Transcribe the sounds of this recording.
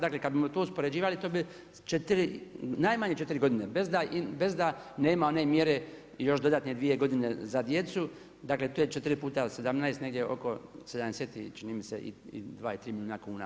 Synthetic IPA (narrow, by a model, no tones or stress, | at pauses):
d̪aːkle̞kad̪̚bimot̪ouspo̞ɾed͡ʑiːʋalit̪oːbi | t͡ʃet̪ɾinajmaɲet͡ʃe̞t̪iɾiɡo̞d̪inebezd̪aʔibe̞zd̪aneːmao̞nemjeɾe̞ | jo̞ʃd̪o̞d̪at̪ned̪ʋije̞ɡo̞d̪ine̞zad̪je̞t̪su | d̪aːkle̞t̪oːjet͡ʃet̪ɾipuːt̪ase̞d̪amnaest̪neɡdʲje̞o̞̰kosed̪amd̪eseːt̪it͡ʃinimisḛʔḭḭd̪ʋaːilt̪ɾiːmilʲuːnakuːna̰